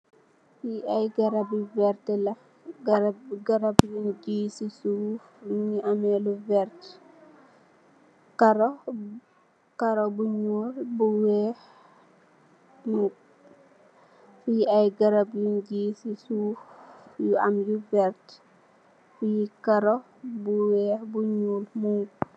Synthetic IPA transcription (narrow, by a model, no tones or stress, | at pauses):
fiajɡɐɾabjuvɛɾtɛlɐ | ɡɐɡɐɾabjund͡ʒiːsisuːfjuɲiʔamɛluvɛɾt | kɐɾɔ | kaɾobuɲuːlbuwɛh | mu | fijajɡaɾabjund͡ʒisisuːfjuʔamjuvɛɾt | fikaɾo | buwɛːbuɲuːlmu